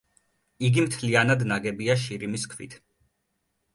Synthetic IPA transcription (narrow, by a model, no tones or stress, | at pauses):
iɡimt̪ʰlianad̪naɡɛbiaʃ̬iɾimiskʰvḭt̪ʰ